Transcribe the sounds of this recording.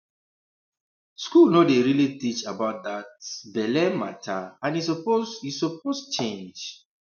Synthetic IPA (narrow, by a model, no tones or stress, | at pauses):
skulnodeɹilitit͡ʃabaʊt̚datbɛlɛma̰tʰaãnisɔpozisɔp̚ost͡ʃẽnd͡ʒ